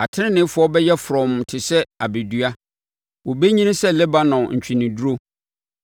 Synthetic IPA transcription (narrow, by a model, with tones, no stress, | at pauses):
a˨tʰɪ˦nɪ̃˦nɪ̃˦fʊ˨˦ɔ˦bɛ˦jɛ˦fʊ˨ɾɔ̃˨m˨tʰɪ˨sɛ˦a˨be˨dɥa˦ | wɔ˨be˦ɲĩ˦nɪ̃˦sɛ˦lɛ˦ba˦nɔ̃˨ɲ̩˨t͡ɕᶣĩ˨nɪ̃˨du˦ɾo˦